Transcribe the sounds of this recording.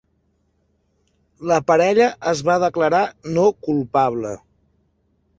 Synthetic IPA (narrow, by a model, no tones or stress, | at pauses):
ləpəɾɛʎəʔəzβaðəkləɾanokulˠpaβlə